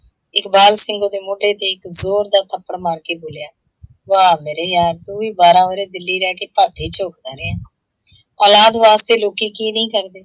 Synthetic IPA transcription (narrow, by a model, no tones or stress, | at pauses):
ɪkbaːlsɪŋɡõːd̪eːmoːɖeːt̪eːɪkzoːɾd̪aːt̪ʰəpːəɽmaːɾkeːboːljaː | ʋaːmeːɾeːjaːɾt̪ũːʋiːbaːɾãːʋəɾeːd̪ɪlːiːɾɛːkeːpaːʈeːt͡ʃoːkd̪aːɾeaː | ɔːlaːd̪ʋaːst̪eːloːkiːkiːnəĩːkəɾd̪eː